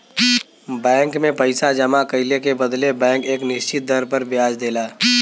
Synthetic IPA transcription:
bɛ̃ːŋkmẽpəɪsad͡ʒɐmakɐɪlekebəd̪lebɛ̃ːŋkeːknɪʃt͡ʃɪt̪̚d̪ɐɾpəɾbjaːd͡ʒd̪eːlaː

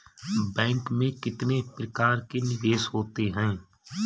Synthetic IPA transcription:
bɛ̃ːŋkmẽkɪt̪nepɾəkaːɾkenɪʋeːʃhoːt̪eɦɛ̃ː

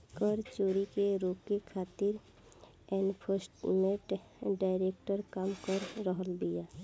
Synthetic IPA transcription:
kəɾt͡ʃoːɾikeɾoːkekʰaːt̪ɪɾ | ɛnpʰoɾsʈmẽʈ | ɖaːɪɾeːk̚ʈəɾkaːmkəɾːəɦəlbɪjaː

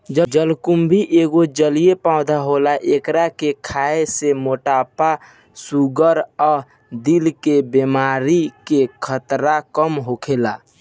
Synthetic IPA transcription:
d͡ʒəd͡ʒəlkʊmbʱiʔeːɡod͡ʒəlijepaʊd̪aɦoːlaʔekɾakekʰaːesemoːʈaːpa | suɡəɾɔːɾ | d̪ilkebemaːɾikekʰət̪ɾakəmɦokʰeːla

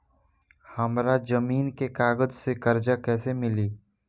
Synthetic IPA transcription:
hɐmɾad͡ʒəmiːnkekaːɡəd͡ʒsekɐɾd͡ʒakɛːsemɪliː

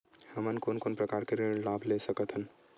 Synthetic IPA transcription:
həmənkonkonpɾəkaɾkeɾilabʱlesəkət̪ʰɦən

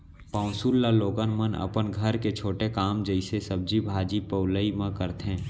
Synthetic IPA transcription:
pãʊsulːaloːɡənmənə̰pənɡʱəɾket͡ʃʰoːʈekaːmd͡ʒəɪsesəb̚d͡ʒibʱaːd͡ʒipəʊləimãkəɾt̪ɦɛ̃ː

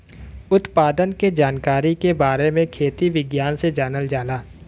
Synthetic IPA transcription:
ʊt̪paːd̪ənked͡ʒaːnkaːɾikebaːɾemẽkʰeːt̪iʋɪɡjaːnsed͡ʒaːnəld͡ʒaːlaː

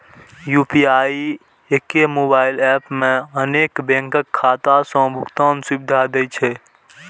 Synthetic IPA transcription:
juːpiaːi | ekemoːbaːɪlɛːpmẽəneːkbẽːŋkəkʰːaːt̪asɔ̃bʱʊkt̪aːnsibɪd̪ʱad̪et͡ʃʰe

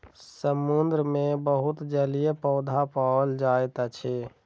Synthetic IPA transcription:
səmːund̪ɾəmẽbəɦut̪d͡ʒəlijepəʊd̪ʱapald͡ʒaet̪at͡ʃʰe

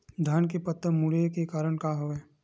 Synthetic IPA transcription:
d̪ʱaːnkepət̪ːəmuɽekekaːɾəɽkaɦoeː

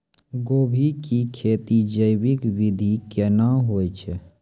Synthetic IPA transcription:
ɡoːbʱikikʰeːt̪id͡ʒəjwɪkwɪd̪ʱikenaɦoːjt͡ʃʰe

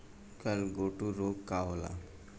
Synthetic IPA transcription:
kəlɡoʈuɾoɡkawla̰

